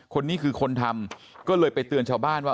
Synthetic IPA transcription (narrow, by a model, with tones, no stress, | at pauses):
kʰo˧nːiː˥˩kʰɯː˧kʰo˧nt̪ʰa˧m | kɔː˥˩lɤː˧jpa˧jt̪ɯ˧ənt͡ɕʰaː˥˩wbaː˥˩nwaː˥˩